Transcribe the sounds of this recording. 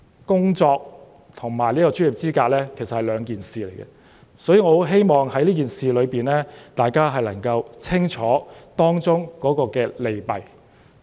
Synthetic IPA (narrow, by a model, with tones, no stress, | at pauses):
kʊ˥ŋt͡sɔː˧k̚ | t̪ʰʊ˨˩ŋmaː˨˩jliː˥kɔː˧t͡ʃyː˥ji˨p̚t͡siː˥kaː˧k̚lɛː˥kʰe˨˩sɐ˨hɐ˨jlœː˨˧ŋkiː˨nsiː˨le˨˩jɡɛ̰˧ | sɔː˨˥jiː˨˩ŋɔː˨˧o˨˥wɦe˥jmɔː˨ŋhɐ˨˥jliː˥k̬iː˨nsiː˨lɵ˨˧piː˨nlɛː˥t̪aː˨jkaː˥ɦɐ˨jlɐ˨˩ŋkɐ˧wt͡sʰɪ˥ŋt͡ʃʰɔː˨˥t̪ɔː˥ŋt͡sʊ˥ŋkɔː˨˥kɔː˧kɛː˧le˨jpɐ˨˩j